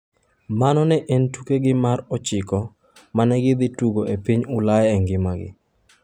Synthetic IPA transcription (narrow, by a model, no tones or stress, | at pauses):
manɔnɛʔentukeɡɪmarɔt͡ʃɪkɔ | manɛɡɪd̪ɪtuɡoepiɲʊlajɛɛŋɡɪmaɡɪ̰